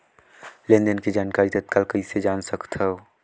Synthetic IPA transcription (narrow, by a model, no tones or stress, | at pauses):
lẽnd̪ənked͡ʒaːnkaːɾit̪ɐt̪̚kɐlkɐised͡ʒaːnsɐkt̪ʰaɦoː